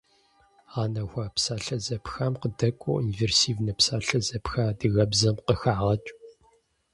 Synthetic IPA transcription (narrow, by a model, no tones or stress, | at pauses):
aːnɐxʷɐpsaːɬɐzɐpxɐmqədɐkʷʼṵunversiːvnɐpsaːɬɐzɐpxaːdɨɣɐbzɐmqəxaːʁɐt͡ʃʼ